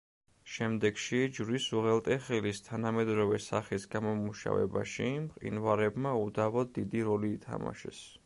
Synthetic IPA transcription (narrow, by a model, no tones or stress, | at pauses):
ʃɛmd̪ɛɡʃid͡ʒɾisuʁɛlˠt̪ʼɛχɛlist̪ʰanamɛd̪ɾɔvɛsaχisɡamɔmuʃa̰vɛ̰ba̰ʃimqʼḭnvaɾɛbmaud̪avɔːid̪iɾɔliːt̪ʰa̰ma̰ʃɛ̰s